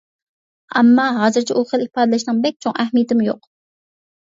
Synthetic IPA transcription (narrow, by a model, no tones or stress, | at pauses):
ɑmːɑɦɑːzɨɾt͡ʃʰɛʔuχəlˠipɑːd̪ɨlɪʃnɨŋbɛk̚ʲt͡ʃʰoŋæɦmijɪt̪ɪmɪjoq